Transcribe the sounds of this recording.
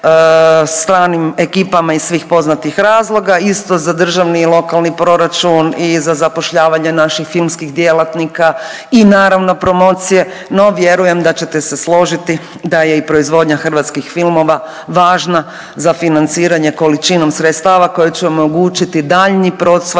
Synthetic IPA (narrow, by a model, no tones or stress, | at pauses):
st̪ɾaːnime̞kiːpamaisʋiːxpo̞znat̪ixɾaːzlˠo̞ɡaist̪o̞zad̪r̩ʒaʋniːlˠo̞kalnipɾo̞ɾat͡ʃunizazapo̞ʃʎaːʋaɲenaʃixfilˠmskixd̪je̞lˠat̪nika | inaːɾaʋno̞pɾo̞mo̞ːt̪sije̞ | no̞ʋje̞ɾuje̞md̪at͡ɕe̞t̪e̞se̞slˠo̞ʒit̪i | d̪aje̞ipɾo̞izʋo̞d̪ɲaxr̩ʋat̪skixfilˠmo̞ʋa | ʋaːʒna | zafinant̪siːɾaɲe̞ko̞lit͡ʃino̞msɾet̪st̪aːʋako̞jet͡ɕɛo̞mo̞ɡuːt͡ʃit̪id̪aːʎnipɾo̞ːt̪s